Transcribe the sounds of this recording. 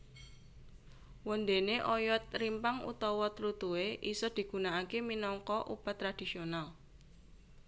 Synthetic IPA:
wɔnd̪eneʔɔjɔt̪̚rimpaŋṵt̪ɔwɔt̪lut̪ueʔisɔd̪̥i̤ɡ̥ṳnaakeminɔŋkɔʔṵb̥at̪ːɾad̪̥i̤sional

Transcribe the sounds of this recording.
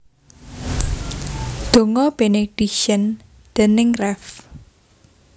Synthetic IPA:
d̪̥o̤ŋɔb̥eneɖ̥ikʃən | d̪̥ə̤nɪŋrɛf

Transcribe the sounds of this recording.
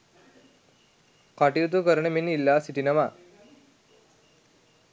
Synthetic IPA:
kaʈijut̪̬ukəɾəɳəminilːaːsiʈinɐma

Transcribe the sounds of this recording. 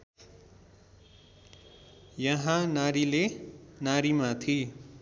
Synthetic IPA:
jʌɦãnaɾilenaɾimat̪ʰi

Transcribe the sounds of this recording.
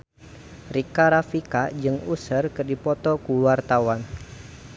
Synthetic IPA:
rikaɾafikad͡ʒɨŋusərkərdipɔt̪ɔkuluart̪awan

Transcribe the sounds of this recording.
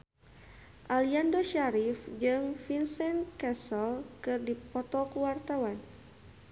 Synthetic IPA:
ʔaliandoʃaɾifd͡ʒɨŋfinsɛnkɛsəlkɨrdipɔt̪ɔkuwart̪awan

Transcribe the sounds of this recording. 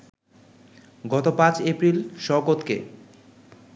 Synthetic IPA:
ɡɔt̪opãt͡ɕepɾilʃɔɡot̪kḛ

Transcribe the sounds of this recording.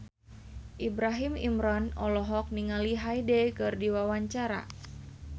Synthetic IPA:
ʔibɾaɦimḭmɾɔnɔlɔɦɔk̚niŋaliɦajdɛkɨrdiwawaɲt͡ʃaɾa̰

